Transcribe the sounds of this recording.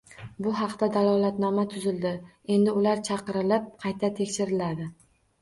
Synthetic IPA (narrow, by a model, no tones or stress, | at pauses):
bʊɦɑqt̪ad̪alˠɒlat̪nɒmat̪ʰʊzɪld̪ɪ | e̞nd̪ɪʊlaɾt͡ʃʰɑqɨɾɪlɪp̚qʰɑjt̪ʰat̪ʰe̞kʲʃɪɾɪlad̪ɪ